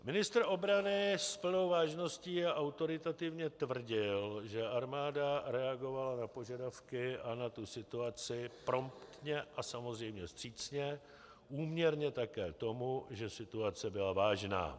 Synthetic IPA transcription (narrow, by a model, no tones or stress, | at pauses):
mɪnɪst̪rʔo̞bɾanɪspl̩no̞wvaːʒno̞sciːaʔawt̪o̞ɾɪt̪at̪ɪvɲɛt̪vr̩ɟɪlʒɛʔaɾmaːdaɾɛaɡo̞valanapo̞ʒadafkɪanat̪usɪt̪uat͡sɪpɾo̞mpt̪ɲɛʔasamozrɛjmɲɛst̪r̝̥iːt͡sɲɛ | ʔuːmɲɛɾɲɛt̪akɛ̰ːt̪o̞muʒɛsɪt̪uat͡sɛbɪlavaːʒna̰ː